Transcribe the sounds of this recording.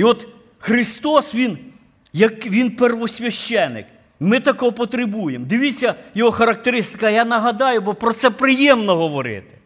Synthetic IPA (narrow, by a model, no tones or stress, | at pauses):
iɔt̪ | xɾɪst̪ɔsʋʲin | jɐkʋʲinpɛrʋɔsʲʋʲɐʃt͡ʃɛnːɪ̰k | mɪt̪ɐkɔpɔt̪ɾɪbujemd̪ɪʋʲit͡sʲːɐjɔɦɔxɐɾɐk̚t̪eɾɪst̪ɪ̥kɐjanɐɦɐd̪ɑjʊbɔpɾɔt̪sɛpɾɪjɛmnɔɦɔʋɔɾɪ̰t̪ɪ̥